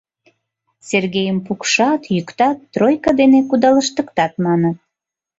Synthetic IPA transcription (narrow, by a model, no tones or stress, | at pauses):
serɣejəmpukʃɑt̪jykt̪ɑt̪ːrojkɑd̪enekud̪ɑləʃt̪əkt̪ɑt̪mɑnət̪